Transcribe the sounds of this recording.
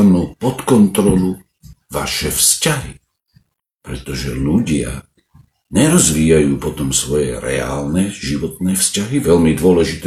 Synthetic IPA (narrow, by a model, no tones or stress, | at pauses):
nuːpɔt̪kɔnt̪ɾɔlu | ʋa̰ʃɛfscaɦi | pɾɛt̪ɔʒɛʎuɟɪa̰ | ɲɛɾɔzʋiːjajuːpɔt̪ɔmsʋɔjɛ̰ɾɛ̰a̰ːlnɛʒiʋɔt̪̚nɛːfscaɦiʋɛlmid̪ʊɔlɛʒit̪